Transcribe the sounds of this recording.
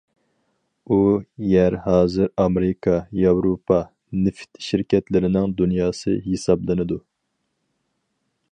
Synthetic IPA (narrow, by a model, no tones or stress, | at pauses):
ujæɾhɑːzɨɾɑmɾɪkʰɑjɑwɾopʰɑ | nɪft̪ʰʃɪɾkʲɛt̪lɪɾɪnɪŋd̪unjɑːsɨ̰ɦesɑblˠɨnɨd̪u